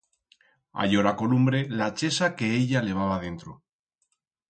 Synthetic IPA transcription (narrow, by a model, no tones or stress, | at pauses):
a̰ʎoɾako̞lumbɾe̞lat͡ʃe̞sake̞eʎale̞β̞aβ̞aðe̞nt̪ɾo